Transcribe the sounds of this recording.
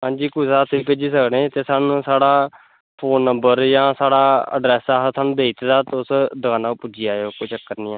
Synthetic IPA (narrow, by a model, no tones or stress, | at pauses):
ɦãːnd͡ʒiːkʊsaːt̪ʰiːpeːd͡ʒiːsəkɽẽːt̪eːsaːnũːsaːɽaː | pʰoːnːəmbəɾjãːsaːɽaːə̰ɖɾɛːsaːsʰaːnũːd̪eːit̪ed̪aːt̪ːʊsd̪əkãːnaːupud͡ʒijaːeoːkoːt͡ʃəkːəɾniːãː